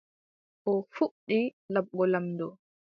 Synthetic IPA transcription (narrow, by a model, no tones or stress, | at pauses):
ʔɔfuɗilabːɔlamdɔ